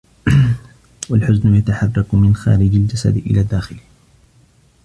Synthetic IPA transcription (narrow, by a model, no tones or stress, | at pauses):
walħʊznʊjat̪aħɑrˤːɑkmɪnxa̰ːɾɪd͡ʒald͡ʒasa̰d̪ʔɪ̰laːd̪ːaːxɪl